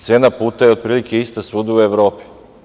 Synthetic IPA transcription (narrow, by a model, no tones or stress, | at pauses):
t̪seːnapuːt̪ajeod̪̚pɾiːlikʰeist̪asuːd̪aueʋɾo̞ːpi̥